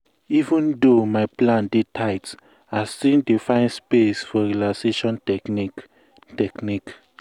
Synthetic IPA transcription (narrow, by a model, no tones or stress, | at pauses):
ivũndomaɪplãndetʰaɪt | astĩdifãɪ̃nspesfɔɹilaseʃɔ̃nt | tɛknik